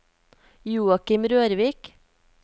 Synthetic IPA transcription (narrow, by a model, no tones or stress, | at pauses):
juːɑkɪmɾøːɾʋiːk